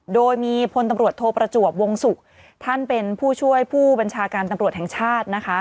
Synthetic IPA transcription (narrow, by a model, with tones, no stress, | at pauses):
doː˧jmiː˧pʰo˧nt̪a˧mɾu˨˩ət̪ʰːoː˧pɾa˧t͡ɕu˨˩ək̚wo˧ŋsu˨˩k̚ | t̪ʰa˥˩npe˧npʰuː˥˩t͡ɕʰu˥˩əjpʰuː˥˩ba˧nt͡ɕʰaː˧kaː˧nt̪a˧mɾu˨˩ət̪̚hɛ˨˩ŋt͡ɕʰaː˥˩t̪̚na˦˥kʰa˦˥